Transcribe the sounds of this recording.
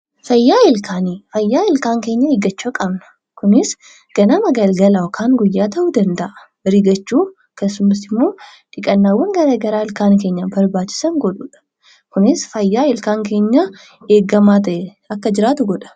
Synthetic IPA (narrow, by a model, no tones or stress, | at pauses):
fɐjːaːɪlkʰaːnifɐjːaːɪlkaːŋke̞ːɲːɐeɡɐt͡ʃːɐkʼɐbnɐ̥ | kʊnɪs | ɡ̥ɐnɐmɐɡɐlɡɐlɐɔkʰaːŋɡʊjːaːt̪ɐʔud̪ɐnd̪ɐʔɐ̥ | ɾiɡɐt͡ʃːuː | keːsːʊmɐsɪmːo̞ːᶑ̪ɪkʼɐnːaːwːɐŋɡɐɾɐɡɐɾaːɪlkaːnk̬e̞ːɲːabɐɾbaːt͡ʃːɪ̥sɐŋɡɔᶑuːᶑɐ̥ | kʊnɪsfɐjːaːɪlkaːŋke̞ːɲːa | e̞ːɡɐmaːt̪ɐʔɛ | ɐkːɐd͡ʒɪɾaːt̪ʊɡɔᶑɐ̥